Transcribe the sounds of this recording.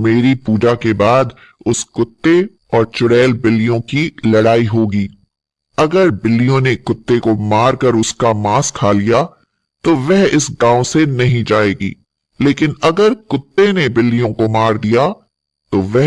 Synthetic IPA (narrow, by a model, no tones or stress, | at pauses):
meːɾipuːd͡ʒakebaːd̪ | ʊskʊt̪ːe | ɔːɾt͡ʃʊɽɛːlbɪlːijõkilɐɽaːiɦoːɡiː | ɐɡəɾbɪlːijõnekʊt̪ːekomaːɾkɐɾʊskamaːskʰaːlija | t̪oʋɛɦɪsɡãːõsenɐɦĩd͡ʒaːeːɡḭː | leːkɪnɐɡəɾkʊt̪ːenebɪlːijõkomaːɾd̪ija | t̪oʋɛɦ